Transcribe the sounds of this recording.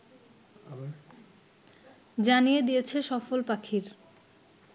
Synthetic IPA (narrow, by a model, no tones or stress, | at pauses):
d͡ʑanijed̪ijet͡ɕʰeʃɔfolpakʰiɾ